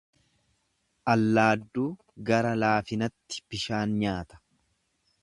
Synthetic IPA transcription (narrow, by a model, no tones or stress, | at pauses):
ʔɐlːaːd̪ːuː | ɡɐɾɐlaːfɪnɐt̪ːɪ̥b̥ɪʃaːnɲaːt̪ɐ̥